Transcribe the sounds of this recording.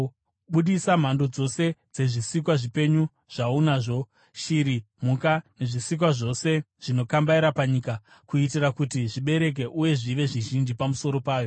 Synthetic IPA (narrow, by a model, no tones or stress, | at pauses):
ɓuɗisam̤ando̞d͡zo̞se̞d͡ze̞ʐisik̬waʐipe̞ɲu | ʐ̥aunaʐo̞ | ʃiɾi | m̤ukane̞ʐisik̬waʐo̞se̞ | ʐ̥ino̞kambaiɾapaɲiːka | kuitirakutiʐiɓe̞ɾe̞k̬e̞ʔuje̞ʐiʋe̞ʐiʒind͡ʒipamuso̞ɾo̞paːjo̞